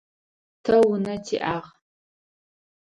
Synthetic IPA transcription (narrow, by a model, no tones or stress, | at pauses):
tʰɐwʊnɐtʰḭʔaːʁ